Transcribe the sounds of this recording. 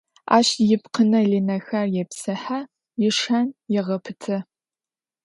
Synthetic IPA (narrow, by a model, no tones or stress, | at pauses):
a̰ːɕjɪpqənɐɮinɐxɐrjɛpsɐħa | jɪʂɐnjɛʁɐpʰɨtʰɐ